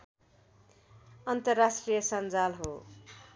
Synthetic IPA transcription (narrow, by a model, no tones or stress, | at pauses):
ʌnt̪ʌrːasʈrijʌsʌnd͡zalɦo